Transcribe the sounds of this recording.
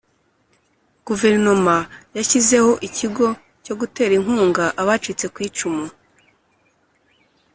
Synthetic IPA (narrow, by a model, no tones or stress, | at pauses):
ɡ̥uve̞ɾno̞majaçize̞ho̞ʔiciɡo̞ | co̞ɡute̞ːɾiŋ̥huːŋɡaʔaβat͡ʃuit͡se̞kwiːt͡ʃumu